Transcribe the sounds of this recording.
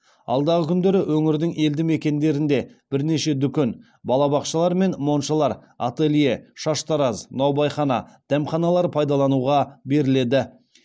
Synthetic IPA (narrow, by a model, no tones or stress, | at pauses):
ɑ̰lˠd̪ɑʁəkʲʰʏnd̪e̞ɾɪwʔɵŋɪɾd̪ɪŋe̞ld̪ɪme̞kʲe̞nd̪e̞ɾɪnd̪e̞b̥ɪɾne̞ʃe̞d̪ʏkʲe̞n | bɑlˠɑbɑqʃəlˠɑɾme̞nmo̞nʃɑlˠɑɾ | a̰t̪elijeʃɑʃt̪ɑɾɑznɑwbɑjχɑnɑ̰d̪̥æmχɑnɑlˠɑɾpʰɑjd̪ɑlˠɑnuʁɑbe̞ɾɪle̞d̪ɪ